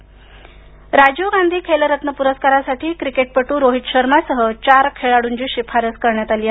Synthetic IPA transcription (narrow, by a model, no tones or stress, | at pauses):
ɾad͡ʑoɡand̪ʱiːkʰeləɾət̪nəpuɾəskaɾasaʈʰiːkɾikeʈ̚pəʈuːɾoɦit̪ɕəɾmasəɦət͡ɕaɾkʰeɭaɽuːɲd͡ʑiːɕipʰaɾəskəɾɳjat̪aliːa